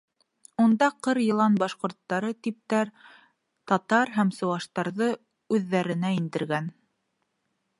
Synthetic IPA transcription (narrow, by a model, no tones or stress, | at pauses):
und̪ɑqɤɾjɤ̆lˠɑnbɑʃqŏɾt̪ːɑɾɤt̪ip̚t̪æɾ | t̪ɑt̪ɑɾɦæmsɤ̆wɑʃt̪ɑɾðɤ | ʉðːæɾɘ̆næind̪ɘ̆ɾɡæn